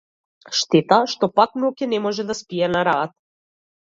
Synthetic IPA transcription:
ʃt̪ɛt̪aʃt̪ɔpaknɔkɛnɛmɔʒɛd̪aspiɛnaɾaːt̪̚

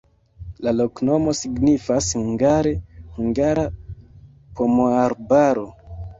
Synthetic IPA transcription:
lalo̞kno̞mo̞siɡnifashuŋɡaɾehuŋɡaɾa | pʰo̞moaɾbaɾo̞

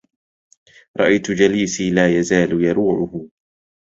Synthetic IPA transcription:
ɾˤɑ̰ʔajt̪ʊd͡ʒaliːsiːlaːjazaːlʊjɑɾuːʕʊhʊ

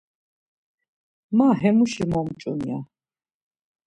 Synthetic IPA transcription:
maɦɛmuʃimɔmt͡ʃʼṵnia

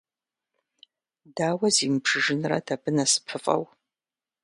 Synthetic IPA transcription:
daːwɐziːmbʂɨʒɪnrɐ̰dʰabɨnɐsɨ̥pʰɨfʼɐ̰w

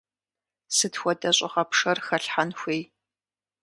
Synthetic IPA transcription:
sɨtxʷɔdɐɕʼɪʁɐpʂɐrxɐɬħanxʷeːj

